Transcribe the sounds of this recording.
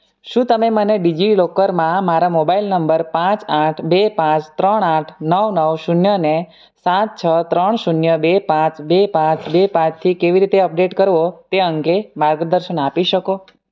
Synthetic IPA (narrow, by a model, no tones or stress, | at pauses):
ʃũt̪əmeməneɖid͡ʒilokəɾmãmaɾamobailnəmbəɾpãt͡ʃaʈʰbepãt͡ʃt̪ɾəɳaʈʰnəwnəwʃunjəne | sat̪̚t͡ʃʰət̪ɾəɳʃunjəbepãt͡ʃbepãt͡ʃbepãt͡ʃt̪ʰikeʋiɾit̪eəp̚ɖeʈkəɾʋot̪eəŋkemaɾɡd̪əɾʃənapiʃəko